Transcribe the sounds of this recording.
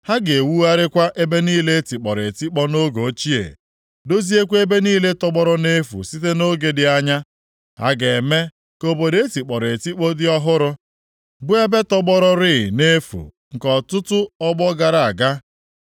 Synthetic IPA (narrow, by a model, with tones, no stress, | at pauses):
ha˦ɡe˨wu˦a˦ɾɪ˦kʷa˦ʔe˦be˦niː˦le˦e˦ti˨k͡pɔ˨ɾe˨ti˦k͡pɔ˦no˦ɡo˨˦t͡ʃi˦ḛ˨ | do˦zi˦e˦kʷe˦be˦niː˦le˦tɔ˦ɡ͡bɔ˦ɾɔ˦ne˦fṵ˨si˦te˦no˦ɡe˦dɪ˨a˦ɲa˦ | ha̰˦ɡe˨me˦ | ko˦bo˨de˦e˦ti˨k͡pɔ˨ɾe˨ti˦k͡pɔ˦dɪ˦ɔ˦ɦʊ˦ɾʊ˦ | bʊ˦e˦be˦tɔ˦ɡ͡bɔ˦ɾɔ˦ɾɪ˦˨ne˦fṵ˨ | ŋ̩˨kɔ˨tʊ˦tʊ˦ɔ˦ɡ͡bɔ˦ɡa˨ɾa˨a˨ɡa˦